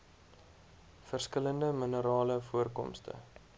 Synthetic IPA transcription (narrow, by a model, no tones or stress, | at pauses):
fərskələndəmənəɾɑːləfuərkɔ̰mstə̰